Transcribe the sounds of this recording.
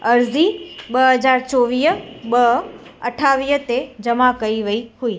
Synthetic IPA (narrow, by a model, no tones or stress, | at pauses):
əɾzibəɦəd͡ʒaɾt͡ʃoʋijəbəəʈʰaʋijət̪ed͡ʒəmãkəiʋəiɦui